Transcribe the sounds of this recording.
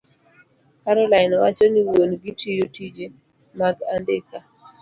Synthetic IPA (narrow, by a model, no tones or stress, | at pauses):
kaɾɔlaɪnwat͡ʃɔniwonɡitijotid͡ʒe | maɡandeka